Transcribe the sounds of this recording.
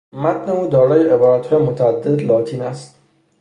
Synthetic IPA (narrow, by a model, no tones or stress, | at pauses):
mæt̪neuːd̪ɒːɾɒːjeʔebɒːɾæt̪hɒːjemot̪ʰææd̪ːed̪lɒːt̪ʰiːnæst̪